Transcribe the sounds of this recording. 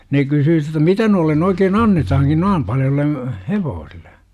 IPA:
ne kysyː jotːɑ mitæ noilːen oikeːn ɑnːetɑhɑŋkin noim pɑljolːe heʋoːsilːe

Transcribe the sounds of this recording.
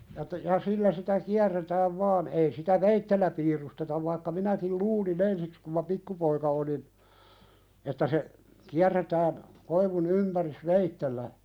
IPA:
jɑ etːæ jɑ silːæ sitæ kiærːetæːʋ ʋɑːn ei sitæ ʋeitːelːæ piːrustetɑʋ ʋɑikːɑ minækil luːlin ensiks kum mɑ pikːupoikɑ olin etːæ se kiærːetæːn koiʋun ympæris ʋeitːelːæ

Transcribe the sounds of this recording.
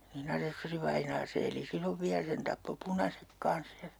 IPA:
nin ɑsesːøriʋɑinɑː se eli silːoʋ ʋiæ sen tɑpːo punɑsek kɑns jɑ

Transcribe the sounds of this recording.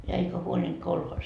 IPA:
jɑ eikæ huolʲint kolhoːs

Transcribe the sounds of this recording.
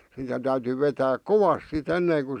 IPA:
sitæ tæyty ʋetæːk koʋɑs sit enneːŋ ku

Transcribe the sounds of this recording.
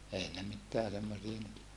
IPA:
ei ne mitːeæ semːosiɑ nyt

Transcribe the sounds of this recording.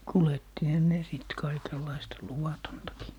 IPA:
kuletːihɔ ne siˑt kɑikelːɑistɑ luwɑtontɑkiː

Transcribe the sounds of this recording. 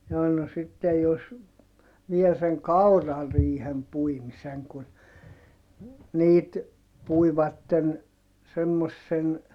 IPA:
jɑː no sitːej jos ʋiel seŋ kɑurɑriːhem puimiseŋ kun niːt puiʋɑtːen semːosːen

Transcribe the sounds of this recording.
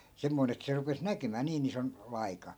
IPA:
semːoin et se rupes nækymæː niːn ison ʋɑikɑ

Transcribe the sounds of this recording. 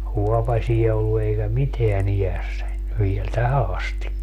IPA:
huɔpɑsʲiɛ olːu eikæ miteæn ijæsːænʲ ʋiel tæhæ ɑstikːɑ

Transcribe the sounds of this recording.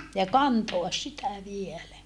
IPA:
jɑ kɑntoɑs sitæ ʋielæ

